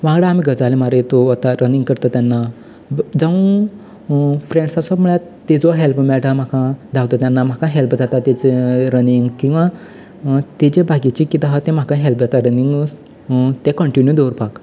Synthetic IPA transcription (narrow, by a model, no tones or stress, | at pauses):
ʋãɡɽaam̤iɡəd͡zalemaɾjet̪oat̪aɾənĩŋɡkəɾt̪ət̪janːa | d͡zaʋũ | fɾẽɳɖsasɔbm̤əɭjat̪ed͡zɔɦelpmɛɭʈãm̤akãd̪ʱawt̪ɔt̪janːam̤akãɦelpd͡zat̪at̪et͡seɾəniŋɡkĩw̃ʋa | t̪et͡ɕebʱaɡit͡ɕikit̪aɦat̪ɛ̃m̤akãɦelpd͡zat̪aɾəniŋɡəs | t̪ẽkəɳʈinjud̪oɾpak